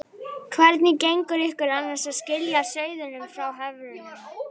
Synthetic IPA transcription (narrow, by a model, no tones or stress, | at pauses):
kʰvɛɾt̪nɪcejŋkʏɾɪhkʏɾanːasaðscɪljasœːɥðʏnʏmfɾawɦɛvɾʏn